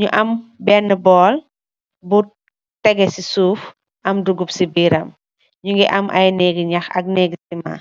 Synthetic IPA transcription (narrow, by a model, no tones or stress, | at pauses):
ɲuʔɐmbɛnːəbɔːl | bu | tɛɡɛsisuːf | ʔɐmduɡupsibiːɾɐm | ɲuŋɡiʔɐmʔɐ̰jnɛːɡiɲɐxɐ̰k̚nɛːɡsima̰